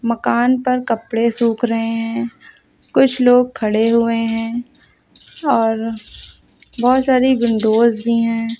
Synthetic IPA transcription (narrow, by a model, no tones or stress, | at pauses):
mɐkaːnpɐɾkɐpɽesuːkɾɐɦeɦɛ̃ː | kʊt͡ʃʰloːɡ̚kʰɐɽeɦʊeɦɛ̃ː | ɔːɾ | bɔːt̪saːɾiɡʊɳɖoːzbʱiɦɛ̃ː